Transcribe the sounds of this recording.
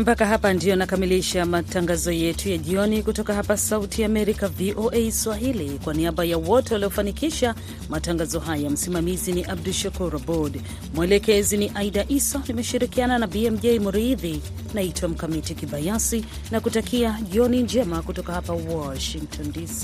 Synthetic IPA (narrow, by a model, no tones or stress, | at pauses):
mpakaɦapandijɔnakamiliʃamataŋɡazɔjɛtʰujaʄiɔnikutɔkaɦapasautʰiaːmɛɾikaviʔoʔɛjswaɦilikwaniaɓajawɔtɛwaliɔfanikiʃa | mataŋɡazɔɦajam̩simamiziniʔab̚duʃakuɾabɔd | mwɛlɛkɛziniʔaidaʔisɔnimɛʃiɾikiananabiɛm̩ʄɛjmuɾiði | naitwam̩kamitikiɓajasi | nakutakʰiaʄiɔnind͡ʒɛmakutɔkahapawɔʃiŋk̚tʰɔndisi̥